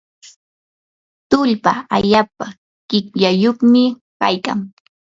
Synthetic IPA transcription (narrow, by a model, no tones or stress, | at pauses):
t̪ʊʎpaaʎaːpa | ɢ̥ɪkʎajoχmɪ | kajka̰ŋ